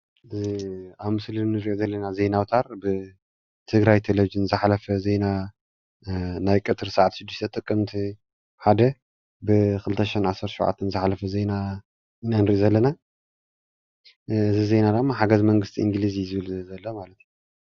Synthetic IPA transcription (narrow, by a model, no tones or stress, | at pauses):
ɨziaβmɨslinnːɨɾʔozɐlːɐnaze̞nawt̪ʰaɾbɨ | t̪ʰɨɡɾajt̪ʰelevid͡ʒɨnzɨħalɐfɐze̞na | najkʼɨt̪ʰɨɾsaʕat̪ʃɪd̪ːuʃt̪ʰɐt̪ʼɨkʼːɨmt̪ʰi | ħad̪ɐ | bɨkʰɨlɨt̪ʰɐʃhinʕasːɐɾt̪ʰɐʃṵwʕa̰t̪ʰːɐnzɨħalɐfɐze̞na | nanɨɾiʔozɐlːɐna | ɨzize̞nad̪amːaħaɡɐzmɐŋɡɨst̪ʰiʔɨŋɡlizizɨβɨlzɐlːomalɐt̪j